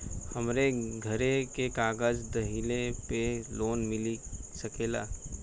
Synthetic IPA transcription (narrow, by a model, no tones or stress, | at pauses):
hɐmɾeɡʱəɾekekaːɡəd͡ʒd̪əɦilepeloːnmɪlisəkeːla̰ː